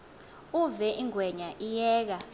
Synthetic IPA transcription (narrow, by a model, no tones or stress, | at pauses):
uvɛʔiŋʱwɛɲaʔijɛːk̬a